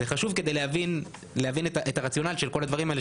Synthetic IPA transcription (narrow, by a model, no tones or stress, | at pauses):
zeχaʃuvke̞d̪ejleavin | lehavinetaʔetaʁat͡sjo̞naliʃe̞lko̞lad̪vaʁimaele